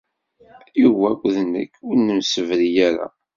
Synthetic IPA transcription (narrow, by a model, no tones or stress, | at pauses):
iwækʷːðnə̰kːʊɾnːəmsəvɾijæɾa̰